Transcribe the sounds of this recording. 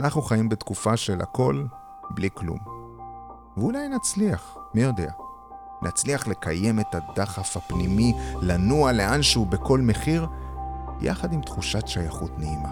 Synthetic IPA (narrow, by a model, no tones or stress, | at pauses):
anaχnuχaimbet̪kufaʃe̞lʔa̰ko̞l | bliklṵm | veulajnat͡sliaχmijo̞de̞a | nʔat͡sliaχle̞kʰaje̞me̞tad̪aχafapnimilanuale̞ʔanʃeube̞ko̞lme̞χiʁ | jʔa̰χadimtχuʃatʃajaχutneima